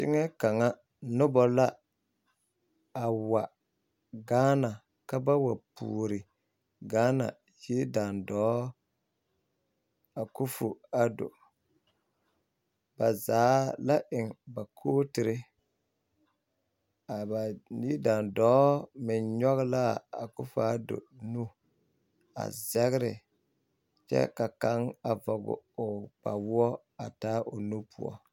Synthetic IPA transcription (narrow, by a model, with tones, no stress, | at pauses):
tɪ˦ŋɛ˦ka˨ŋa˦ | nʊ˦bɔ˦la˦ | a˨wa˨ | ɡaː˦na˨ | ka˦ba˦wa˨pṵː˨ɾɪ˨ | ɡaː˦na̰˨ | ji˦da˨ndɔː˦ | a˨ku˦fu˨a˨do̰˨ | ba˨zaː˨˦la˦ʔɪ˨ŋba˨kʰoː˦tɪ˨ɾɪ˦ | a˨ba˨ni˦da˨ndɔː˦mɪ˨nɲɔ˦ɣɪ˦la˦˨a˨ku˦fu˨a˦do̰˨nu˦ | a̰˨zɛ˦ɣɪ˦ɾɪ˨ | t͡ʃɛ̰˦ka˨ka˦ŋa˨vɔ˨ɡʊ̰˨o˨k͡pa̰˨wʊ˦ɔ˦ | a˨taː˦ʔo˨nu˦pʰu˨ɔ̰˦